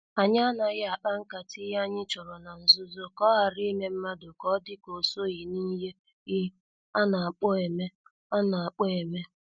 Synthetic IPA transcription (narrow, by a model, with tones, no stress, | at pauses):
a˨ɲɪ˦a˦na˨ɣɪ˦a˨k͡pa˦ŋ̩˦ka˨tʰɪ˦ja˦ɲɪ˦t͡ʃɔ˨ɾɔ˨na˨n̩˨zʊ˦zo˦kɔ˦ɦa˨ɾi˦me˦m̩˦ma˦dʊ˨kɔ˦dɪ˦ko˨so˦ɣi˨ni˦ɦe˦ | ɣɪ˦ | a˦na˨a˨k͡pɔ˦e˨me˦ | a˦na˨a˨k͡pɔ˦e˨me˦